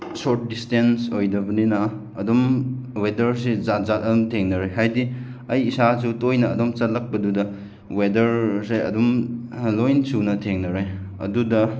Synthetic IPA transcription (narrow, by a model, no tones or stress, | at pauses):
soɾt̚distensojdɐbɐninɐː | dɔmwedɐɾsizat̚zat̚ɐdɔmtʰeŋnɐɾeɦajdi | ɐjːsasutojnɐːdɔmt͡ʃɐt̚lɐk̚pɐdudɐ | wedɐɾseɐ̰dum | lojnsunɐtʰeŋnɐɾe | ɐ̰dudɐ